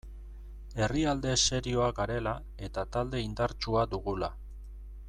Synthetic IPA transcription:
e̞riald̪e̞se̞ɾio̞akaɾe̞la | e̞t̪at̪ald̪e̞ind̪aɾt͡ʃuad̪uɣ̞ula̰

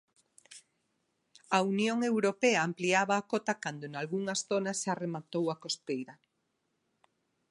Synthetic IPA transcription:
ɐunjoŋewɾopɛɐːmpliaβaːkot̪ɐkand̪onalɣuŋɐsθonɐsʃaremat̪owɐkost̪ejɾɐ

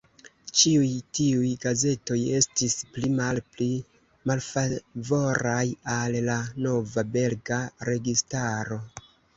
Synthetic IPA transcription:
t͡ʃiujtiujɡaze̞to̞je̞stisplimalpli | malfavo̞ɾajalːano̞vabe̞lɡaɾe̞ɡistaɾo̞

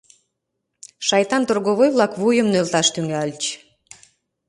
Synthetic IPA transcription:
ʃɑjt̪ɑnt̪orɣoβojβlɑkβujəmnølt̪ɑʃt̪yŋɡælʲt͡ɕ

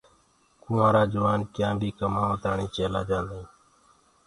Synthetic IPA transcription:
kʊ̃ːãːɾaːd͡ʒəʋaːnkjãːbʱiːkəmaːõːt̪aːɳĩːt͡ʃeːlaːd͡ʒãːnd̪ĩː

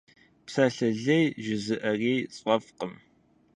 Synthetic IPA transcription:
psɐɬɐɮɐjʒɪzɨʔɐreːsʼʷɔfqəm

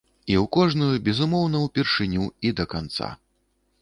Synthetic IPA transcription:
iwkɔʐnujubʲɛzumɔwnɐwpʲɛrʂɨnʲuid̪ɐkant̪sa̰

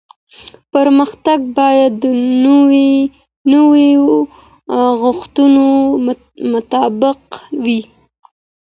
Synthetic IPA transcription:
pəɾməxt̪aɡ̚bɑjad̪ːənwe | nəwe | ɣʊxt̪uno | mʊt̪ɑbɪqwi

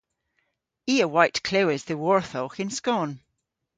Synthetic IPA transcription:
iːəwajtkʰl̥owɪzðəwɔɹθɔxɪ̃nskɔn

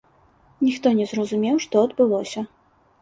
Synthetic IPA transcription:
nʲixt̪ɔnʲɛzrɐzumʲɛwʂt̪ɔɐd̪bɨlˠɔsʲɐ

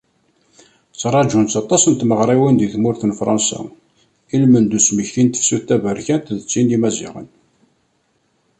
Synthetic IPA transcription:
t͡sːɾˤɑd͡ʒunt͡sɑt̪ˤɑsənt̪məʁɾˤiwənd̪iθmʊɾθənfɾˤɑnsa̰ | ilmənd̪usməçːint̪ə̥fsuθt̪ːævəɾçænt̪ðət͡sːind̪imæzḭʁə̰n

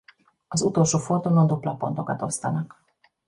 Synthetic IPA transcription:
ɒzut̪o̞lʃoːford̪unond̪uplɒpːont̪okɒt̪o̞st̪ɒnɒk

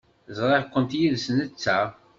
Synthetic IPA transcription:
zˤɾˤɑʁkʷːənt̪jiðsənət͡sːæ

